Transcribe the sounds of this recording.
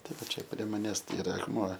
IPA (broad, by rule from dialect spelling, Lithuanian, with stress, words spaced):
tɐˈdɐ ˈt͡ʃʲɛ pʲrʲiɛ mɐˈnʲæːs ɪˈrɐ ɐkˈmuɔ